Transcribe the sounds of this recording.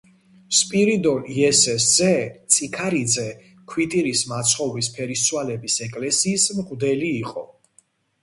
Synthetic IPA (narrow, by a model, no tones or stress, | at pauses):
spʼiɾid̪ɔiɛsɛszɛt̪sʼikʰaɾid̪zɛ | kʰwit̪ʼiɾismat̪sʰχɔvispʰɛɾissʰʼwalɛbisɛkʼlɛsiːsmʁd̪ɛliːqʼɔ